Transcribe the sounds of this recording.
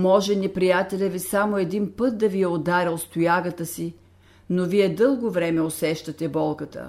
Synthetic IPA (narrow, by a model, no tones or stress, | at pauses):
mɔʒɛnɛpɾijat̪ɛlʲɛvisamoɛd̪inpɤt̪̚d̪ɐvijɛod̪aɾʲɛlˠst̪ʊjaɡət̪əsi | noviɛd̪ɤlˠɡovɾɛmɛosɛʃt̪ɐt̪ɛbɔlˠkət̪ə̰